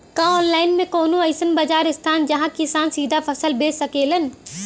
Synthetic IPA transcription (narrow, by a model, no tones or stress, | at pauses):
kãɔːnlaːɪnmẽkoːnũəɪsənbɐd͡ʒaːɾɪst̪ʰaːnd͡ʒɐɦãkɪsaːnsiːd̪ʱapʰəsəlbeːsəkeːlən